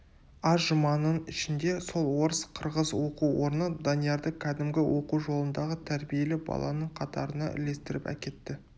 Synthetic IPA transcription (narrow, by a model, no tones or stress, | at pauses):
ɑʒəmɑnənɪʃɪnd̪e̞so̞lˠwo̞ɾəsqʰəɾʁəzwo̞quwo̞ɾnəd̪ɑnijɑɾd̪əkʲʰæd̪ɪmɡʲɪwo̞quwʒo̞lˠənd̪ɑʁət̪ʰæɾbije̞lɪbɑ̰lˠɑ̰nəɴqʰɑt̪ɑ̰ɾənɑ̰ʔɪ̰le̞st̪ɪɾɪpæ̰kʲe̞t̪ːɪ